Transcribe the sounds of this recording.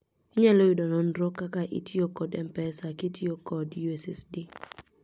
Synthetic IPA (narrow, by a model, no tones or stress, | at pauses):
ɪɲɛloidɔnɔnɾokakaʔḭtʰiokɔdɛmpɛsakɪtʰiokɔdjuɛsɛ̰sdi